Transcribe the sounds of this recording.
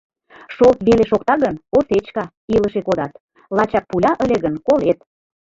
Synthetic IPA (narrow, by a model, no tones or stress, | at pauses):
ʃolt̪βeleʃokt̪ɑɣənoset͡ɕkɑ | iləʃekod̪ɑt̪ | lˠɑt͡ɕɑk̚pulʲɑʔə̆lʲeɣənkolet̪̚